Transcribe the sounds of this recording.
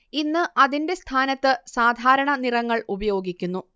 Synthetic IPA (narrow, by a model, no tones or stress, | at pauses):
inːɨʔɐðinde̞st̪ʰaːnɐt̪ːɨsaːd̪ʱaːɾɐɳɐnirɐŋːɐɭubɐjo̞ːɡikʲːunːu